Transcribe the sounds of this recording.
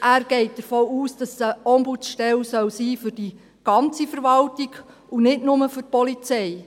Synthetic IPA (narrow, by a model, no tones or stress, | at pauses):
ʔæːɾɡ̥ɛɪt̚d̥̪əɾfɔːuːsd̥ɑsəɔmbut͡sʃtɛlsœwsiːfʏɾd̥i | ɡ̥ɑnt͡sifəɾʋɑltiɡ | unɪtnʊməfʏr̚pɔlit͡sɛj